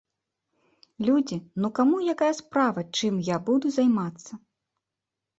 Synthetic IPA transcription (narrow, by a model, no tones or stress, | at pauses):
lʲud͡zʲinukamujakajɐspɾavɐt͡ʂɨmjabud̪uzajmat̪sːɐ